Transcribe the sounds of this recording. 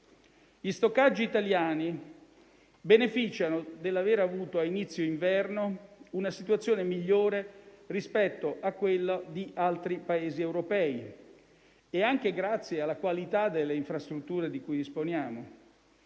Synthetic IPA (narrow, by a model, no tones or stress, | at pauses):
ʎist̪okːad͡ʒːiːt̪aljaːni | benefit͡ʃanod̪elːaveɾavuːt̪oainit̪sːjoiɱvɛrnounasit̪wat̪sːjoːnemiʎːoːɾerispɛt̪ːoʔakːwelːad̪iʔalt̪ɾipaeːziewɾopɛːi | eaŋk̟eɡɾat̪sːjealːakwalit̪ad̪ːelːeiɱfɾast̪ɾut̪ːuːɾed̪ikujd̪isponjaːmo